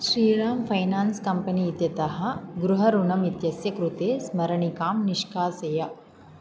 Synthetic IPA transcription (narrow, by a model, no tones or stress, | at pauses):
ʃɾiːɾaːmfʰɐjnaːnskɐmpɐniːt̪jɐt̪ɐɦɐ̆ɡɾuɦɐɾunɐmit̪jɐsjɐkɾut̪eːsmɐɾɐɳikaːmniʂkaːsɐjɐ